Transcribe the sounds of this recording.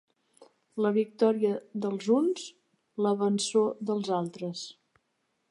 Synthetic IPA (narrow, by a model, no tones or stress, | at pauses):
ləβik̚t̪ɔɾiəðəlˠzunz | ləβənsoðəlˠzalˠt̪ɾəs